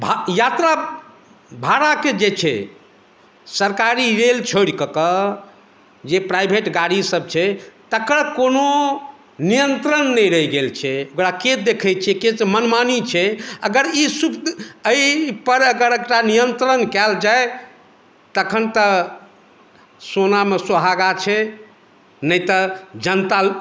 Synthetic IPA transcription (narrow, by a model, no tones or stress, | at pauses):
bʱajat̪ɾa | bʱaɾaked͡ʒet͡ʃʰɛ̰ | səɾkaɾiɾelt͡ʃʰoɽkəkə | d͡ʒepɾajbʱeʈɡaɽisəb̚t͡ʃʰɛt̪əkɾəkono | nijənt̪ɾənːɛjɾəiɡelt͡ʃʰɛokɾaket̪d̪ekʰɛt͡ʃʰɛkesmənmanit͡ʃʰɛəɡəɾisupəipəɾəɡəɾekʈanijənt̪ɾənkɛld͡ʒae | t̪əkʰənt̪ə | sonamesoɦaɡat͡ʃʰɛ | nəjt̪əd͡ʒənt̪a